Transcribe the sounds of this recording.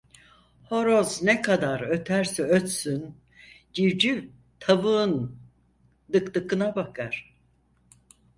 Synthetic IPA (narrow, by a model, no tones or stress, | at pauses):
ho̞ɾoznɛkʰad̪aɾø̞t̪ʰæɾsɛøt̪syn | ɟiɾd͡ʒy | t̪ʰavɯn | d̪ɯkt̪ɯkɯnabakʰaɾ̥